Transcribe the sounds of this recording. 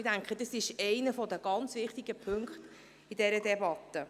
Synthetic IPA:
dæŋkχədɑsɪʃɛɪnəfɔdəɡ̥ɑnt͡sʋɪχtiɡ̥əpʰɵŋkχt̪ | idɛɾədɛbɑt̪ːə

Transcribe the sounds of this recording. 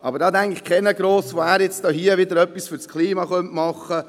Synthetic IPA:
ɑbəɾdɑːd̪ɛŋkɪχkʰɛnəɡɾoːsʋoæːɾjɛt͡stoːhiəʋɪd̪əɾœpːisfʏɾskʰliːmɑχœntmɑχə

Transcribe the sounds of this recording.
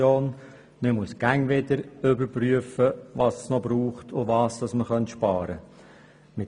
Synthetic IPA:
oːn | məmuəsɡ̥æŋʋɪdəɾʏbəɾpryəfəʋɑssnɔbɾuːχtʰʊʋɑːstɑsməχœntʃpɑːɾə | mɪt

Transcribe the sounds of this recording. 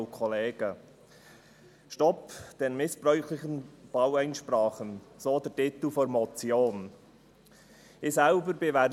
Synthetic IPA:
kʰɔleːɡ̥ə | ʃtɔpd̥ɛnmɪsb̥ɾœʏxlɪçənb̥awæɪnʃpɾaːχənzoːdɛɾtɪt̪l̩fɔɾmɔt͡sjoːn | ɪzɛlbəɾbevɛ

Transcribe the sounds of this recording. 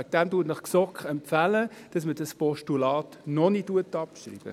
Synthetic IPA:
k̚d̥æmtuːətnəχksɔkχɛmpfæləd̥ɑsməd̥ɑspɔʃtulɑːtnɔnituətɑpʃrḭːb̥ə̰

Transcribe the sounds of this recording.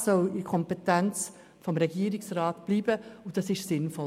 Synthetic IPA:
sɔlɪkʰɔmpetænt͡s | fɔmɾɛɡiəɾɪksɾɑːtb̥liːbəʊd̥ɑsɪʃsɪnfɔ

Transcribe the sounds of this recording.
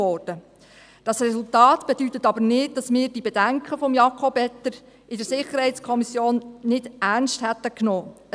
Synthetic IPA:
ɔːrd̥ə | d̥ɑsrɛsultɑːtb̥edytətɑbənɪd̚d̥ɑsmɪːɾdibɛdæŋkχəfɔmjɑkʰɔbɛt̪ːəɾ | ʔɪdəɾsɪχəɾhɛɪtskʰɔmisjoːnːɪd̥æɾnsthætːəknoː

